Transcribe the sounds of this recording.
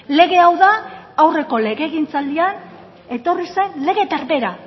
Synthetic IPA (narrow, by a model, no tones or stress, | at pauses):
le̞ɣ̞e̞awðaːwre̞ko̞le̞ɣe̞ɣint͡sald̪ian | e̞t̪o̞rise̞nle̞ɣe̞t̪aɾβe̞ɾa